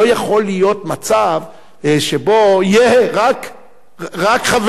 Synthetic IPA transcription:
ojaχo̞lːijo̞t̪mat͡sav | ʃebo̞jeʁak | ʁakχav

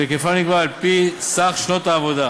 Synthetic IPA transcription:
ekefaniɡvalpisaχʃnot̪aːvod̪a

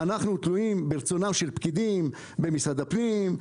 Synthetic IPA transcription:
anaχnut̪luimbeʁt͡so̞namʃe̞lpkid̪im | bemisad̪apnim

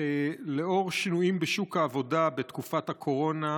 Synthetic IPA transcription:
ele̞o̞ʁʃinuimbeʃukhaːvo̞dabet̪kufat̪hakʰo̞ʁo̞na

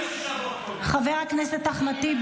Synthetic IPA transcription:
χaveʁakneset̪ːaχmat̪ib

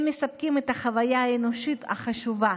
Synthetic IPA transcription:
mːesap̚kimet̪aχavajaaenoʃit̪a̰χaʃuva

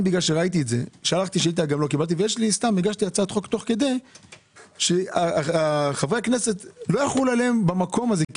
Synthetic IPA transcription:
biɡlalʃeʁait̪̬ietze̞ʃealaχt̪iʃiilt̪aɡamlo̞kibalt̪̬ivejeʃlist̪amːeɡaʃt̪iat͡sat̪χo̞kt̪o̞χke̞d̪e̞j | ʃeaaχavʁeakne̞se̞t̪lojaχlulale̞mbamako̞maze

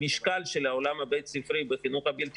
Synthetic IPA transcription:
iʃkalʃelaolamhabejt̪sifɾibeχinuχabilt̪

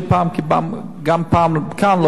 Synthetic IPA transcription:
paːmkibam | ɡampaːmkʰaːnlo

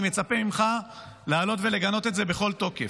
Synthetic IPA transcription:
mjet͡sapemimχa | leaaːlo̞t̪ve̞leɡano̞t̪etzebeχo̞lt̪o̞kef

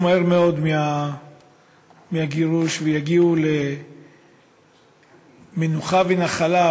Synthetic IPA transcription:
moeʁmeo̞d̪mia | miaɡiʁuʃvejaɡiule | menuχavenaχala

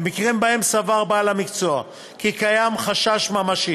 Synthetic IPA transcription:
mikʁimbaemsavaʁbaːlamikt͡soa | kikajamχaʃaʃmamaʃi

